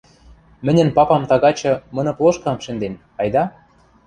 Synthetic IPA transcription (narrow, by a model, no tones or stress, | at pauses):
mɘ̆nʲɘ̆npɑpɑmt̪ɑɣɑt͡ɕɤ̆mɤ̆nɤ̆plˠoʃkɑmʃɘ̆nd̪en | ɑjd̪ɑ